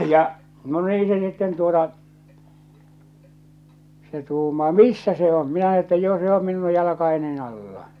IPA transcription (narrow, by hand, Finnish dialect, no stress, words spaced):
jɑ no niː se sitːen tuotɑ se tuːmɑː misːæ se om minæ etːæ jo se om minu jɑlɑkɑenin ɑlːɑ